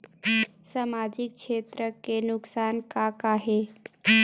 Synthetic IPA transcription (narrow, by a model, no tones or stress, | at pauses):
samaːd͡ʒɪk̚ʃeːt̪ɾəkenʊksaːnkakaɦe